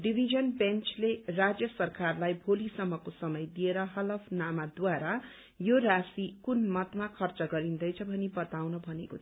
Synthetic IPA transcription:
ɖibʱid͡zʌnbent͡slerad͡zjʌsʌrkarlajbʱolisʌmːʌkosʌmʌjd̪ieɾʌɦʌlʌpʰnamad̪waɾa | joɾasikunmʌt̪makʰʌrt͡sʌɡʌɾind̪ʌjt͡sʰʌbʱʌnibʌt̪awnʌbʱʌneko

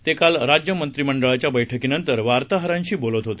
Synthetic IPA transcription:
t̪ekalɾad͡ʑjəmənt̪ɾiməɳɖəɭat͡ɕjabəjʈʰəkinənt̪əɾʋaɾt̪aɦəɾãɲt͡ɕiːbolət̪ɦot̪e

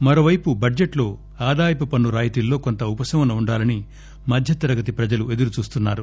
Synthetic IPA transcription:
mɐɾo̞ːʋɐjpubɐd͡ʒeʈlo̞ː | aːd̪aːjɐpɐpɐnːuɾaːjit̪ilːo̞ːko̞nt̪ɐupɐsɐʋɐnɐuɳɖaːlɐni | mɐd̪ʱjɐt̪ɐɾɐɡɐt̪ipɾɐd͡ʒɐlue̞d̪uɾut͡ʃuːst̪unːaːɾu

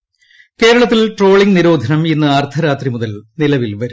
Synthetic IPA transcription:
ke̞ːɾɐɭɐt̪̬ːilʈro̞ːɭiŋɡniɾo̞ːd̪ʱɐnɐminːɨaːrt̪ʰɐɾaːt̪rimuðɐlnilɐʋilʋɐɾu

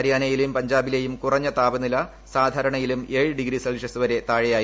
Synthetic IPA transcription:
ɐɾjaːnɐjilmpɐɲd͡ʑaːbilejumkurɐɲːɐt̪aːbɐnilɐ | saːd̪ʱaːɾɐɳɐjilume̞ːɻɨɖiɡɾisɐlʂɐsuʋɐɾe̞t̪aːɻejaːj

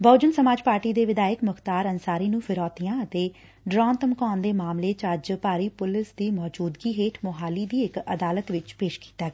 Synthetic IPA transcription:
bəːd͡ʒənsəmaːd͡ʒpaːɾʈiːd̪eːʋɪd̪aːəkmʊxt̪aːɾənsaːɾiːnũːpʰɪɾɔːt̪ɪjãːət̪eː | ɖɾɔːnt̪əmkɔːnd̪eːmaːmleːt͡ʃəd͡ʒpaːɾiːpʊlɪsd̪iːmɔːd͡ʒuːd̪ɡiːɦeːʈʰmʊɦaːliːd̪iːɪkə̰d̪aːlət̪ʋɪt͡ʃpeːʃki̥ːt̪aːɡɛː

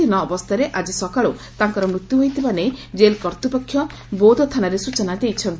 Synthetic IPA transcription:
inɔːbɔst̪ʰaɾeʔad͡ʒisɔkaɭot̪aŋkɔɾɔmɾut̪juɦojt̪ʰibaned͡ʒelkɔɾt̪upɔkʰːjɔ | bod̪ɔt̪ʰanaɾesut͡ʃɔnad̪ejt͡ʃʰɔnt̪i

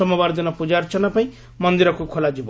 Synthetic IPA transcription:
ɔmabaɾd̪inɔpud͡ʒaɾt͡ʃʰʌnapaĩ | mʌnd̪iɾɔkukʰolad͡ʒib

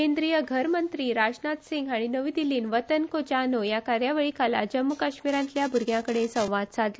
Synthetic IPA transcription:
kend̪ɾijəɡʱəɾmənt̪ɾiːɾad͡ʑnat̪siŋɡaɽ̃inəʋiːd̪iliːnʋət̪ənkod͡ʑanojakaɾjaʋeɭikʰala̰d͡ʑəmːukaɕmiɾãnt̪ljabʱuɾɡʱjãkəɽesə̃w̃ʋad̪̚t͡sad̪lo

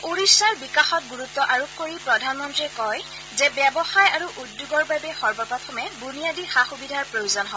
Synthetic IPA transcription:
uɹisːaɹbikaxɔt̚ɡuɹutːɔʔaɹokʰkoɹipɹɔdʱanmɔntɹiɛkɔj | zɛbjɛbɔxajaɹuʔudjuɡɔɹbabɛxɔɹbɔpatʰɔmɛbunijadixaxubidʱaɹpɹojuzɔnɦɔ

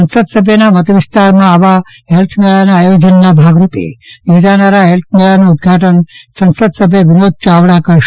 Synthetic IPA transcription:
sənsəd̪səbʱjənamət̪əʋist̪aɾmãaʋa | ɦelt̪ʰmeɭanaːjod͡ʒənːabʱaɡɾupḛjed͡ʒanaɾaɦelt̪ʰmeɭanuud̪ɡʱaʈənsə̃nsəd̪səbʱjəʋinod̪̚t͡ʃaʋɽakəɾʃ

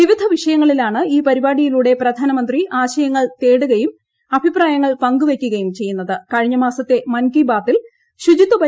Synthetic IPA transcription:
iʋid̪ʱɐʋiʂɐjɐŋːɐɭilaːɳɨiːpɐɾibaːɽijiluːɽe̞prɐd̪ʱaːnɐmɐnd̪riʔaːɕɐjɐŋːɐɭt̪e̞ːɽuɣɐjum | ɐbʱipraːjɐŋːɐɭpɐŋɡuʋe̞kʲːuɣɐjumt͡ɕe̞jːunːɐðɨkɐɻiɲːɐmaːsɐt̪ːe̞mɐnkibaːt̪ːil | ɕud͡ʑit̪ːɐbɐ

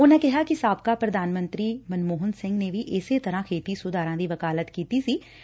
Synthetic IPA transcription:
ʊnãːkɪɦaːkɪsaːb̚kaːpɾəd̪aːnmə̃nt̪ɾiːmənmoːɦənsɪ̃ŋɡneːʋiʔɪseːt̪əɾãːkʰeːt̪iːsʊd̪aːɾãːd̪iːʋəkaːlət̪kiːt̪iːsiː

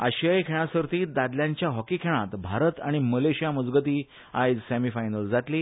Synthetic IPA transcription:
a̰ɕəjkʰeɭ̃asəɾt̪iːd̪ad̪ljaɲt͡ɕjaɦɔkikʰeɭ̃at̪bʱaɾət̪a̰ɽ̃iməleɕijaməd͡zɡət̪iː | ajd͡zsæmifajnəld͡zat̪liː

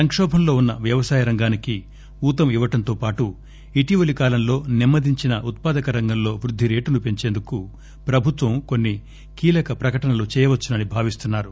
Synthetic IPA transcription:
sɐŋkʂɔːbʱɐmlo̞ːunːɐʋjɐʋɐsaːjɐɾɐŋɡaːniki | uːt̪ɐmiʋɐʈɐnt̪oːpaːʈu | iʈiʋɐlikaːlɐmlo̞ːnimːɐd̪ʱiɲt͡ʃinɐʔut̪̚paːd̪ɐkɐɾɐŋɡɐmlo̞ːʋɾud̪ʱːiɾe̞ːʈunupe̞ɲt͡ʃe̞ːnd̪uku | pɾɐbʱut̪ʋɐmko̞nːi | kiːlɐkɐpɾɐkɐʈɐnɐlut͡ʃɛːjɐʋɐt͡ʃːunɐnibʱaːʋist̪unːaːɾu

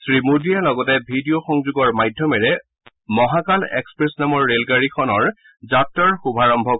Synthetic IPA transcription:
sɹimudijalɔɡɔtɛbʱidioxɔŋzuɡɔɹmajdʱjɔmɛɹɛ | mɔɦakalɛ̰kspɹesnamɔɹːelɡaɹikʰɔnɔɹ | zatːɔɹxubʱaɹɔmbʱɔk

